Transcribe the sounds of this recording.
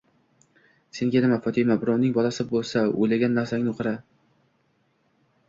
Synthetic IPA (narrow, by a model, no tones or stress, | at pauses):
se̞ŋɡʲanɪmafɒt̪ʰɪmabɪɾɒnnɪŋbɒlˠasɪbolˠsao̰jlaɡʲanːaɾsaŋʲnɪoqʰɨɾa